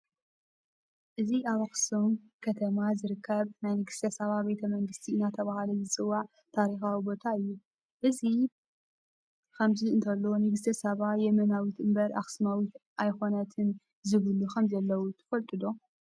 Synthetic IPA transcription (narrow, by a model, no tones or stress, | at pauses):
ʔɨziʔaβaxsum | kʰɐt̪ʰɐmazɨɾɨkʰːɐβnajnɨɡɨst̪ʰɐsɐβabe̞t̪ʰɐmɐŋɡɨst̪ʰiɨnat̪ʰɐβahalɐjzɨt͡sʼɨwːaʕ | t̪ʰaɾixawibo̞t̪ʰaɨjːu | ʔɨzi | kʰɐmziɨnt̪ʰɐlːonɨɡɨst̪ʰɐsɐβajɛmɐnawit̪ʔɨmbɐɾʔa̰xsmawit̪ʔajxo̞nɐt̪ʰɨn | zɨβɨlukʰɐmzɐlːɐwut̪ʰɐ̥fɐlt̪ʼɨd̪o̞